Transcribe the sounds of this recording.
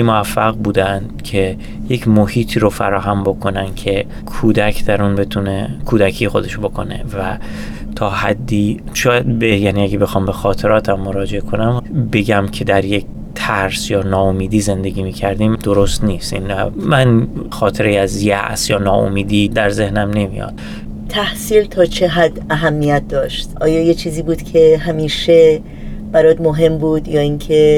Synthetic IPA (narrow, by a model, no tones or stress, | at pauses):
moæfːæɣbuːd̪ænd̪̥cʰe̞ | je̞cʰmohiːt̪ʰiːɾofæ̰ɾɒːɦæmbo̞kʰo̞nænd̪̥cʰe̞ | kʰuːd̪æcʰd̪æɾunbe̞t̪ʰune̞kʰuːd̪ækʰiːjexo̞d̪e̞ʃbo̞kʰo̞ne̞̰væ | t̪ʰɒːhæd̪ːiː | ʃɒːjæd̪̚bejæːniæɡebe̞xɒːmbe̞xɒːt̪ʰe̞ɾɒːt̪ʰæmːo̞ɾɒːd͡ʒe̞ekʰo̞næmbe̞ɡæmcʰe̞d̪æɾje̞k̚ | t̪ʰæɾsjɒːnɒːomiːd̪iːze̞nd̪e̞ɟiːmiːcʰæɾd̪iːmd̪oɾost̪niːst̪inmænxɒːt̪ʰeɾejæzjæ̰ʔsjɒːnɒːʔo̰miːd̪iːd̪æɾze̞hnæmne̞mḭjɒ̰ːd̪̥ | t̪ʰæhsiːlt̪ʰɒːt͡ʃʰeɦæd̪æɦæmːijæt̪̚d̪ɒːʃt̪ʔɒːjɒːjet͡ʃʰiːziːbuːd̪cʲʰe̞ɦæmiːʃe | bæɾɒːd̪moɦe̞mbuːd̪jɒːiːŋkʰe